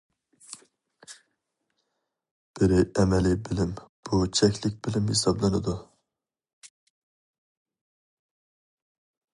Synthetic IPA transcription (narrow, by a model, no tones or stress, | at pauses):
b̥ɪɾɪʔɛmɛlɪbɪlɪmb̥ut͡ʃʰɛkʲlɪk̚ʲbɪlɪmhesɑblˠɨnɨd̪u